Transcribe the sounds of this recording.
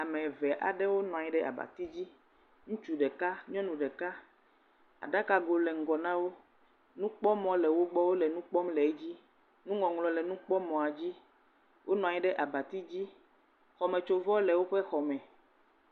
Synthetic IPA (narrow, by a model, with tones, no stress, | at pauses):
a˨mɛ̃˨vɛ˨ʔa̰˨ɖɛ˦wo˦nɔ̃˨a˨ɲi˦ɖɛ˦ʔa̰˨ba̰˨t̪i˦d͡ʑi˦ | ŋũ˦t͡ʃu˨ɖɛ˨ka˦ɲɔ̃˦nũ˨ɖɛ˨ka˦ | a̰˨ɖa˦ka˨ɡo˨lɛ˨ŋ̩˨ɡɔ˨nã˦wo˦ | nũ˦k͡pɔ˦mɔ̃˨lɛ˨wo˦ɡ͡bɔ˦wo˦lɛ˨nũ˦k͡pɔ˦mlɛ˨e˦d͡ʑi˦ | nũ˦ŋɔ̃˨ŋlɔ̃˨lɛ˨nũ˦k͡pɔ˦mɔ̃˨a˨d͡ʑi˦ | wʔo˦nɔ̃˨a˨ɲi˦ɖɛ˦ʔa˨ba˨t̪i˦d͡ʑi˦ | xɔ˨mɛ̃˨t͡ʃo˨vɔ˦lɛ˨wo˦ɸɛ˦xɔ˨mɛ̃˨